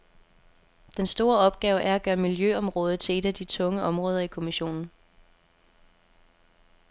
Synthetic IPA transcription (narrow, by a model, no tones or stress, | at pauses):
d̥ensd̥o̝ːɐɒ̽b̥̚ɡ̥ɛːʊəʔæɐæɡ̥ɶːɐmiljøɒ̽mʁɔ̽ːð̞̩ˠt͡sʰe̝le̝d̥æd̥it͡sʰɔ̽ŋəʔɒ̽mʁɔ̽ːðˠɐikʰo̝miɕo̝̰ːnn̩